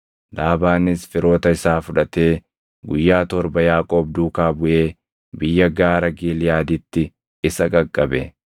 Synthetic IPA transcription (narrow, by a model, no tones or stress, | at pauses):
laːbaːnɪsfɪɾo̞ːt̪ɐɪsaːfʊᶑɐt̪e̞ː | ɡʊjːaːt̪ɔɾbɐjaːkʼoːb̚d̪uːkaːbʊʔeː | bɪjːɐɡaːɾɐɡiːlɪjaːd̪ɪt̪ːɪ | ɪsɐkʼɐkʼːɐbɛ